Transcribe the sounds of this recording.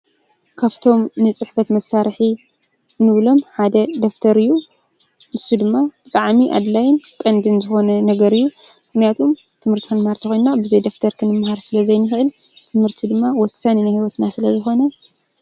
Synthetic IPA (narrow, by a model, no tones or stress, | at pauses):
kʰaft̪ʰo̞mnɨt͡sʼɨħfɐt̪mɐsːaɾħi | nɨβlo̞mħad̪ɐd̪oft̪ʰɐɾɨjːu | ʔɨsːud̪ɨmːab̥ɨt̪ʼaʕmiʔa̰d̪lajɪnk̪ʼɐnd̪ɨnzɨxo̞nɐnɐɡɐɾɨjːu | mmɨxnijat̪ʰom | t̪ʰɨmhɨɾt̪ʰikɨnɨmhaɾt̪ʰɐxojnnabɨzɐjd̪oft̪ʰɐɾkʰɨnɨmːhaɾsɨlɐzɐjnɨxʔɨlt̪ʰɨmhɨɾt̪ʰid̪ɨmːawɔsaninajhiwɔt̪nasɨlɐzɨxo̞nɐ